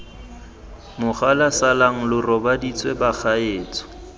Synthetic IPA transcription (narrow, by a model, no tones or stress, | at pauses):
mʊχalasalaŋ̩lʊrɔbadit͡sʼwebak͡xʰaeːt͡sʼɔ̥